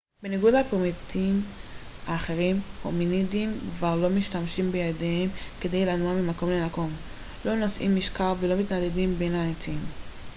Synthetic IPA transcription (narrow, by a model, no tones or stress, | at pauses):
beniɡudhapomitʰim | aːχe̞ʁimho̰minidimkvaʁlo̞miʃtamʃimbejad̪ehemke̞d̪ejlanuamimako̞mlemako̞m | lo̞nosʔḭmːiʃkaʁvelo̞mit̪nad̪edimbenhaet͡sim